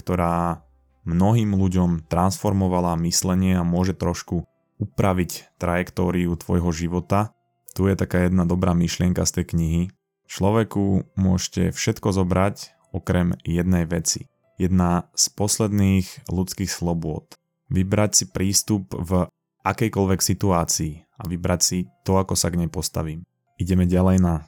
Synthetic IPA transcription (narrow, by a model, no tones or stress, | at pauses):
kt̪ɔɾaː | mnɔɦiːmluɟɔmt̪ɾansfɔɾmɔʋalamislɛɲɪɛamʊɔʒɛt̪ɾɔʃku | upɾaʋict̪ɾajɛkt̪ɔːɾiut̪ʋɔjɦɔʒiʋɔt̪a | t̪ujɛt̪akaːjɛd̪nad̪ɔbɾaːmiʃlɪɛŋkast̪ɛjkɲiɦi | t͡ʃlɔʋɛkumʊɔʃcɛ̰fʃɛt̪kɔzɔbɾac | ɔkɾɛmjɛd̪nɛjʋɛt͡sḭ | jɛd̪naspɔslɛd̪niːɣlut͡skiːxslɔbʊɔt̪ | ʋibɾacsipɾʔiːst̪upv | ʔakɛjkɔlʋɛksit̪uaːt͡siː | aʋibɾacsit̪ɔakɔsaɡɲɛpɔst̪a̰ʋiːm | iɟɛmɛɟalɛjna